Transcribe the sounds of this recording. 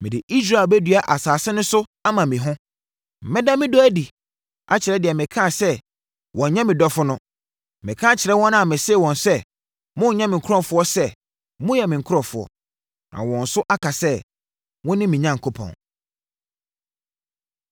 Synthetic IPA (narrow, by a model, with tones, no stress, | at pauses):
mɪ̃˨dɪ˨ʔi˦s̬ɾa˦˨bɛ˦dɥa˨ʔa˨saː˨sɪ˦nʊ̃˦sʊ˦a˦mã˨mɪ̃˨ɦʊ̃˦ | m̩˨mɛ̃˦dã˦mɪ̃˦dɔ˦æ˦di˨ | ʔa˦t͡ɕʰɪ˨ɾɛ˦dɪ˨ɛ˨mɪ̃˨kʰã˦˨sɛ˦ | wʔɔ̃˨˦ɲã˦mɪ̃˨dɔ˦fʊ˦nʊ̃˦ | mɪ̰̃˨kʰã˦t͡ɕʰɪ˨ɾɛ˦wɔ̃˦n˦ã˨mɪ̃˨seː˦˨wɔ̃˨nsɛ˦ | mʊ̃˦˨ɲã˦mɪ̃˨kʰɔ̃˦˨fʊ˦ɔ˦sɛ˦ | mʊ̃˦jɛ˨mɪ̃˨ŋ̩˨kʰʊ˦ɾɔ̃˨fʊ˨ɔ̰˨ | nã̰˨wɔ̃˨n̩˨sʊ˦ʔa˦kʰa˨sɛ˦ | wɔ̃˦nɪ̃˦mɪ̃˨ɲã˦ŋ̩˨kʰo˦pʰɔ̰̃˨n